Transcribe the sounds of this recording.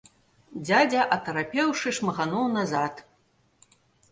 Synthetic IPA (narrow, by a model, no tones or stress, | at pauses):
d͡zʲad͡zʲɐʔɐt̪ɐɾapʲɛwʂɨʂmɐɣanɔwnazat̪